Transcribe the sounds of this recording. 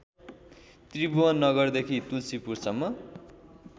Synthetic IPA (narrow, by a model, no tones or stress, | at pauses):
t̪ribuʌnːʌɡʌrd̪ekʰit̪ulsipursʌmːʌ